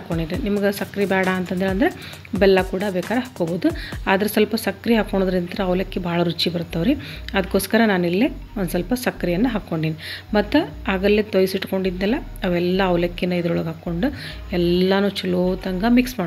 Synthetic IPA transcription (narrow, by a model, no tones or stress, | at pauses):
kːoɳɖinenimɐɡesɐkɾibaːɽaːnt̪ɐnt̪eɭɐnd̪ɐɾe | bɛlːɐkuːɽɐbɛːkaːɾɐɦaːkːoːboːd̪uaːd̪ɐɾesɐlpɐsɐkːɾiɦaːkːoɳod̪ɐɾint̪ɐɾɐɐʋlɐkːebʱaːɭɐɾut͡ʃːibɐɾut̪ːɐʋɾiɐd̪ɐkːoːskɐɾɐnaːnilːe | ond̪sɐlpɐsɐkːɾijɐnːɐɦaːkːo̞ɳɖiːnimɐt̪ːu | aːɡɐlːet̪ojsiʈko̞ɳɖid̪nɛlːɐ | ɐʋɛlːɐɐʋlɐkːinːɐid̪ɐɾoɭɡɦaːkːo̞ɳɖu | ɛlːɐnuːt͡ʃuloːt̪ɐŋɡɐmiksmaː